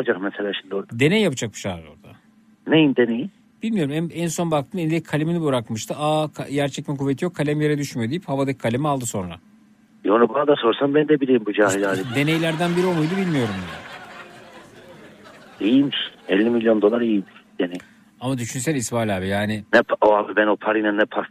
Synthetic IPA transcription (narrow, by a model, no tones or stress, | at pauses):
d͡ʒakmɛselʲaːʃind̪oɾd̪e̞nejjapɯd͡ʒak̚bɯ̥ʃaɾo̰ɾd̪a̰ | nejimd̪eneji | b̥ilʲmijo̞ɾumæɛnso̞nbak̚t̪ʰɯːmenid̪ɛckʰalʲiminibuɾakmɯʃt̪ʰɯakʰaɟæɾt͡ʃʰɛcmikuvːet̪ʰijo̞kʰalʲæmjeɾɛd̪yʃmyjod̪ijiphavad̪ɯkʰːalʲimialˠd̪ɯso̞nɾa̰ | jonubanad̪aso̞ɾsambænd̪ɛbilijimbud͡ʒaːɦilaːlʲid̪e̞ne̞jlʲæɾd̪ænbiɾiomˠujd̪ubilʲmijo̞ɾumia | ijimɛlʲːimilʲjo̞nd̪o̞lˠaɾijimd̪̥eneji | amad̪yʃyns̬ælʲisbaːlʲaːbijaːnɪnɛpoabibɛnopʰaɾinanːɛpʰaɾ